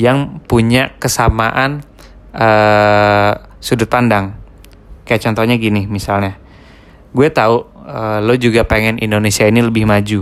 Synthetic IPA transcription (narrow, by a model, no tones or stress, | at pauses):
jaŋpuɲakəsamaʔan | ə | sudʊt̪̚pandaŋ | kajaʔ̚t͡ʃɔnt̪ɔɲaɡinɪmisalɲa | ɡuɛt̪auəlod͡ʒuɡapeŋɛnʔḭndonesiainiləbɪhmad͡ʒu